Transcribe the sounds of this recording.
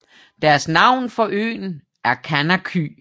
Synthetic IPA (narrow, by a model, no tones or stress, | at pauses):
d̥æɐsnɑ̈ʊ̰nfɒ̽ʔø̰ːn̩ | ʔæɐkʰænækʰy